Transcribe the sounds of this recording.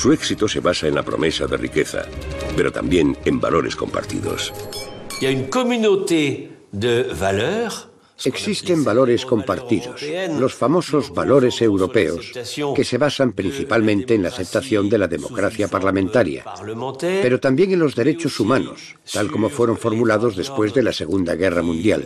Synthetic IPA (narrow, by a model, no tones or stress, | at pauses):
sueksit̪ose̞βasaenla̰pɾo̞̰me̞saðḛrike̞θa̰pe̞ɾo̞t̪a̰mbjeŋemba̰loɾe̞skõ̞̰mpa̰ɾt̪ḭðo̞̰siljaynkɔmynot̪e | d̪əvalœːʁ | eksist̪e̞mbalo̞ɾe̞sko̞mpaɾt̪iðoslo̞sfamo̞so̞zβalo̞ɾe̞se̞wɾo̞pe̞o̰ske̞se̞βasampɾĩn̟θipalmẽ̞nt̪e̞ːnlaːθe̞p̚t̪aθjo̞nd̪e̞laðe̞mo̞̰kɾaθjapaɾlamẽnt̪aɾja̰lm̃t̪ɛpe̞ɾo̞t̪ambje̞ŋẽnlo̞zðe̞ɾe̞t͡ʃo̞sumãno̞̰s | t̪alko̞mo̞fwe̞ɾo̞ɱfo̞ɾmulaðo̞zðe̞spwe̞zðe̞lase̞ɣund̪aɣe̞ramũnd̪ja̰l